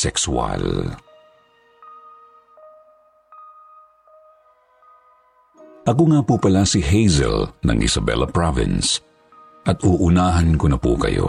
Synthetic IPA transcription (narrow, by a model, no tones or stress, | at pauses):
sɛkswa̰l | ʔɐkoŋaːpupɐlasɪɦɛjzɛ̰lnɐ̰ŋʔɪ̰sɐbɛ̰lɐpɹavɪ̰ns | ʔɐt̪uʔʊnaːɦɐnkonɐpukɐ̰jo̰